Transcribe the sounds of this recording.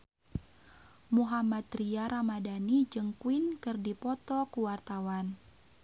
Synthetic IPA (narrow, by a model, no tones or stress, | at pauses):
muɦamat̪ɾiaɾamadanid͡ʒɨŋkuinkɨrdipɔt̪ɔkuwart̪awan